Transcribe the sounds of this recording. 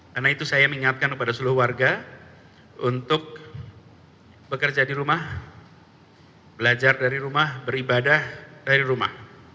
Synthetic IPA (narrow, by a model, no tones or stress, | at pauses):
karnait̪usajaməŋiŋat̪̚kankəpadasulʊhwarɡa | unt̪ʊk̚ | bəkərd͡ʒadiɾumah | bəlad͡ʒardaɾiɾumahbəɾibadahd̥aɾiɾuma̰h